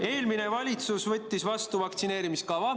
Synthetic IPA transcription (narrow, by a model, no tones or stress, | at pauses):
e̞ːlmine̞vɑlʲit̪susvɤt̪ʲːisvɑst̪uvɑk̚t̪sine̞ːɾimiskɑvɑ